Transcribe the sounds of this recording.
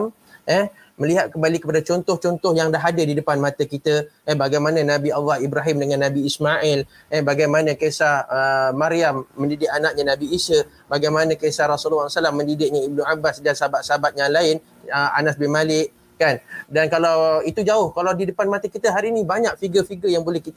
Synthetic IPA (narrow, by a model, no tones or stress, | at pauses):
m | ɛh | məliɦat̪̚kəmbalikəpadat͡ʃɔnt̪ʊht͡ʃɔnt̪ʊhjaŋdaɦadadidəpanmat̪akit̪aɛhbaɡajmananabialːahibɾaɦɪmdəŋãnːabiːsmaʔɛl | ɛhbaɡajmanãkesahəmaɾiamːə̃ndidɪk̚anaʔ̚ɲanãbiːsə | baɡajmanãkesahɾasullːasalamːə̃ndidɪk̚ɲaib̚nuabasdansaɦabat̪̚saɦabat̪̚jaŋlaɪn | əa̰nasbɪnmalɪʔ | kandankalawit̪ud͡ʒaʊhkalawdidəpanmat̪akit̪əɦaɾinĩbaɲak̚fiɡəfiɡəjaŋbolɛhkit̪